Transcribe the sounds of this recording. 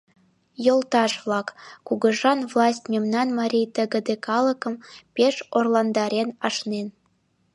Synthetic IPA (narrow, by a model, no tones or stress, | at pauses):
jolˠt̪ɑʃvlˠɑkːuɣə̆ʒɑnvlˠɑsʲtʲmʲemnɑnmɑɾʲijt̪əɡə̆d̪ekɑlˠə̆kə̆mpʲeʃorlˠɑnd̪ɑɾʲenɑʃnen